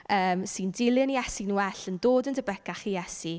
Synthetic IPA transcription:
əːmsɨndɪlˠəniɛsinuɛɬəndoːdəndʰəbɛkaχijɛsi

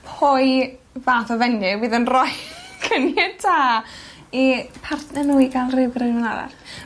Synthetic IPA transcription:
pʰoj | vaːθɔvɛnjɪwɨːðənrɔjkʰənɛtʰaː | ipʰartʰnɛnuːiɡalˠrɪwɡrɨvənaða̰r

